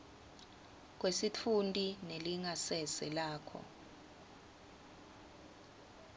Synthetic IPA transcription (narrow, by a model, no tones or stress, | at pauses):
k̬wesit͡fʰuntʼineliŋasɛsɛlaːkʰɔ̰